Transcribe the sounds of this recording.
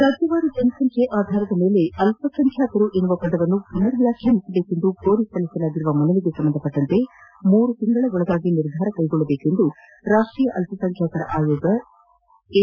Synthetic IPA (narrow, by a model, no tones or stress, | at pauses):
ɾaːd͡ʒjɐʋaːɾud͡ʒɐnɐsɐŋkʰeʔaːd̪ʱaːɾɐd̪ɐme̞ːle̞ɐlpɐsɐŋkʰjaːk̪ɐɾuʔe̞nːuʋɐpɐd̪ɐʋɐnːupinːɐɾɐʋjaːkʰjɐmisɐbe̞ːke̞nd̪uko̞ːɾisɐlisɐlaːɡiɾuʋɐmɐnɐliɡesɐmbɐnd̪ʱɐpːɐʈːɐnt̪e̞muːɾut̪iŋɡɐɭɐɡɔɭɐɡ̪aːɡiniɾd̪ʱaːɾɐkɐjɡɔɭːɐbeːke̞nd̪u | ɾaːʂʈɾijɐʔɐlpɐsɐŋkʰjaːk̪ɐɾɐ̰ʔaːjoːɡɐ